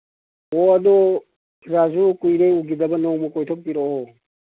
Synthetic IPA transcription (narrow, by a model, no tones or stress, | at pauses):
ɔɐdɔ | kʰiɾazukujɾejuɡidɐbɐnɔwmɔkɔjtʰɔk̚piɾɔɔ